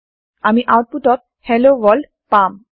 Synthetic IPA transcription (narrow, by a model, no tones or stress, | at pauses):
amiʔawt̚puʈɔt̪̚ | hɛlowɔlɖ | pam